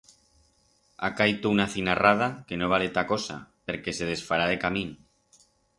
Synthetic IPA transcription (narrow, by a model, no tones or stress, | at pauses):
a̰kajt̪ounaθinarað̞ake̞noβ̞alet̪ako̞sa̰pe̞ɾke̞se̞ð̞e̞sfaɾaðe̞kamĩn